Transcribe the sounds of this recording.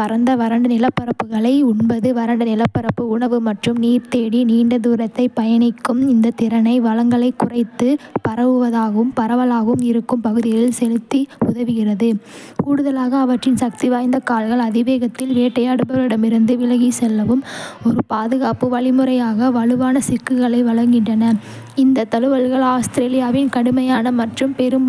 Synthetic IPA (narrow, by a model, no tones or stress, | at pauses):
ɐɾɐnd̪ɐʋɐɾɐɳɖɯnɪlɐpːɐɾɐpːɯɣɐɭɐɪʊɳbɐðɯʋɐɾɐɳɖɐnɪlɐpːɐɾɐpːɯʊɳɐʋɯmɐʈrɯmniːɾt̪eːɽiniːɳɖɐðuːɾɐt̪ːɐɪpɐjɐɳɪkːɯmɪnd̪ɐt̪ɪɾɐnɐɪʋɐɭɐŋɡɐɭɐɪkːʊrɐɪt̪ːɯpɐɾɐʋɯʋɐðaːɣɐʋɯmpɐɾɐʋɐlaːɣɐɯmɪɾɯkːɯmpɐɣɯðɪɣɐɪlsɛlɯt̪ːiʊðɐʋɪɣɪrɐðɯkuːɽɯðɐlaːɣɐːʋɐʈrɪnsɐk̚t̪iʋaːjnd̪ɐkaːlɣɐɭɐðɪʋeːɣɐt̪ːɪlʋeːʈːɐjaːɽɯbɐlɪɽɐmɪɾɯnd̪ɯʋɪlɐɣisɛlːɐʋɯmɔɾɯpaːðɯɣaːpɯʋɐɭɪmɯɾɐjaːɣɐʋɐɭɯʋaːnɐsɪkːɯɣɐɭɐɪʋɐɭɐŋɡɪɳɖrɐnɐ | ɪnd̪ɐt̪ːɐlɯʋɐlɣɐɭaːst̪ɪɾeːlɪjaːʋɪnkɐɽɯmɐjaːnɐmɐʈrɯmpɛɾɯm